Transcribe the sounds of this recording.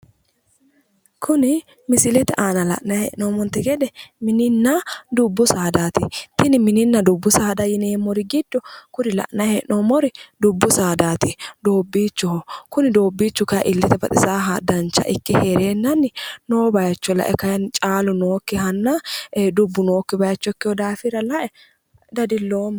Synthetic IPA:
kʰʊnɪ | mɪsɪlɛt̪ɛʔaːnɐlɐ̰ʔnɐhɛ̰ʔnoːmɔnt̪ɛɡɛd̪ɛmɪnɪnːɐd̪ʊbːʊsaːd̪aːt̪ɪt̪ɪnɪmɪnɪnːɐd̪ʊbːʊsaːd̪ɐjɪneːmːɔɾɪɡɪd̪ːɔkʊɾɪlɐ̰ʔnɐhɛʔnoːmɔɾɪd̪ʊbːʊsaːd̪aːt̪ɪd̪oːbːiːt͡ʃːɔhkʊnɪd̪o̞ːbːiːt͡ʃːʊkɐj̰ʔɪlːɪt̪ɛbɐt̪ʼɪsaːɦɐd̪ɐnt͡ʃːɐ̰ʔɪkːɪheɾeːnːɐnːɪnoːbɐjɐt͡ʃːɔlɐ̰ʔɛkɐjɐnt͡ʃʼaːlʊnoːkːɪɦɐnːɐd̪ʊbːʊno̞ːkːɪbɐjɐt͡ʃːɔkːɪhɔd̪aːfɪɾɐlɐʔɛ | d̪ɐd̪ɪlːoːm

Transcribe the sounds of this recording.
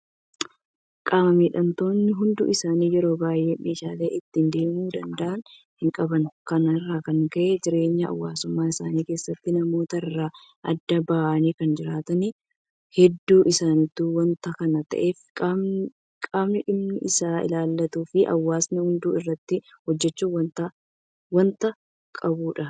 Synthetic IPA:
kʼaːmɐmiːᶑɐnt̪o̞ːnːɪɦʊnd̪ʊ̰ʔɪsaːniːjɛɾo̞ːbaːjʔeːmʔeːʃaːleːʔɪt̪ːɪnd̪e̞ːmuːd̪ɐnd̪ɐʔɐn | hɪŋkʼɐbɐnkɐnɐrːaːkɐŋkɐʔɛd͡ʒɪɾe̞ːɲːɐɐ̰wːaːsʊmːaːɪsaːniːke̞ːsːɐt̪ːɪnɐmo̞ːt̪ɐɪrːaː | ʔɐd̪ːɐbaʔɐniːkɐnd͡ʒɪɾaːt̪ɐni | hɛd̪ːuːʔɪsaːnɪt̪ːuːwɐnt̪ɐkɐnɐt̪ɐ̰ʔe̞ːfkʼː | kʼaːmnɪᶑɪmnɪʔɪsaːɪ̰laːlːɐt̪uːfɪʔɐ̰wːaːsnɪhʊnd̪uːɪrːɐt̪ːɪ | hɔd͡ʒːɛt͡ʃːuːwɐnt̪ɐ | wɐnt̪ɐ | kʼɐbuːᶑɐ

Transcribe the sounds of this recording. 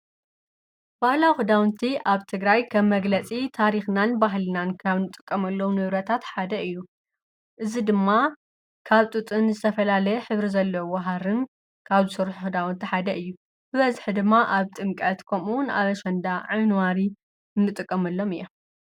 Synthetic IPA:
b̥ahlawhɨd̪awnt̪ʰiʔaβt̪ʰɨɡɾajkʰɐmmːɐɡlɐt͡sʼit̪ʰaɾixnanbaɦlɨnankʰaβnɨt̪ʼːɨkʼːɐmɐlːɐwunɨβɾɐt̪ʰat̪ħad̪ɐɨjːu | ʔɨzid̪ɨmːa | kʰaβt̪ʼɨt̪ʼɨnzɨt̪ʰɐfɐlalɐjɛħɨβɾizɐlːɐwwɐɦaɾɨn | kʰaβzɨsɨɾħuhud̪awnt̪ʰiħad̪ɐʔɨjːu | hɨβɐzɨħɨd̪ɨmːaʔaβt̪ʼɨmkʼɐt̪kʰɐmuwʊna̰βɐʃɐnd̪aʕɨnwaɾi | ɨnːɨt̪ʼɨkʼːɐmɐlːo̞mɨjːom

